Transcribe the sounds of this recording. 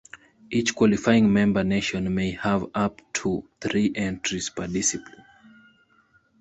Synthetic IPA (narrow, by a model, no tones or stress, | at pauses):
ʔit͡ʃkwɔlifajɪ̃ŋmɛ̃mbəneʃɔ̃nmeɪhəvaptʰuθɹiʔɛ̃ntʰɹiz̥pʰədisiplĩn